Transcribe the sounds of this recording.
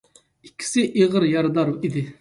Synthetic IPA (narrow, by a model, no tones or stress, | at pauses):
ikʲʰːi̥sɪʔeʁəɾjɑɾd̪ɑɾid̪ɪ